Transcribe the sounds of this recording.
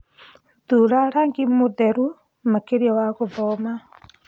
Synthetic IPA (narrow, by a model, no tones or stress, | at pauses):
duɾaɾaŋɡimudɛɾu | makeɾjɔwaɣoðɔma